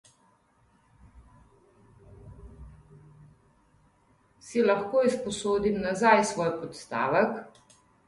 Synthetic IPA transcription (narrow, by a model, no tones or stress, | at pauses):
silaxkoːispɔsoːd̪imnazajsʋɔːjpɔt̪st̪a̰ːʋək